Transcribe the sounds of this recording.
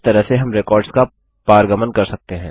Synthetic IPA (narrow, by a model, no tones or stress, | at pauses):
t̪ɐɾəɦseɦɐmɾekɔːɾɖska | paːɾɡəmənkɐɾsɐk̚t̪eɦɛ̃ː